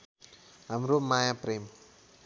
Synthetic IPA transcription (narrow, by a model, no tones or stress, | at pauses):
amɾomajapɾem